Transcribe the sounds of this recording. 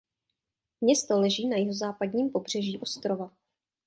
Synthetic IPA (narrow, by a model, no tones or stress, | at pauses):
mɲɛst̪o̞lɛʒiːnajɪɦozaːpadɲiːmpo̞br̝ɛʒiːʔo̞st̪ɾova